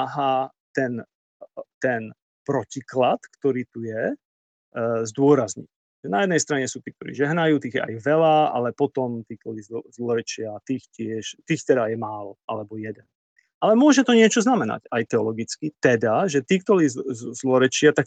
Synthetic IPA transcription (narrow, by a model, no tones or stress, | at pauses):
aɦaːt̪ɛn | t̪ɛn | pɾɔciklat̪kt̪ɔɾiːt̪ujɛ | zd̪ʊɔɾazɲḭc | ʒ̥ɛnajɛd̪nɛjst̪ɾaɲɛsuːt̪iːk̚t̪ɔɾḭːʒɛɦnajuːt̪iːɣjɛ̰ʔa̰jʋɛlaa̰lɛpɔt̪ɔmt̪iːk̚t̪ɔlizzlɔɾɛt͡ʃɪat̪iːxcɪɛʃt̪iːxt̪ɛd̪ajɛmaːlɔʔa̰lɛbɔjɛd̪ɛn | ʔalɛmʊɔʒɛt̪ɔɲɪɛt͡ʃɔznamɛna̰cajt̪ɛɔlɔɡit͡skit̪ɛd̪aʒɛt̪iːkt̪ɔliːzzzlɔɾɛt͡ʃɪat̪ak